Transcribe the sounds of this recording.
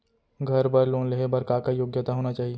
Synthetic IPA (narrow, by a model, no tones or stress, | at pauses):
ɡʱɐɾbɐɾloːnleɦebɐɾkakajoːɡjət̪aɦoːnat͡ʃaːɦie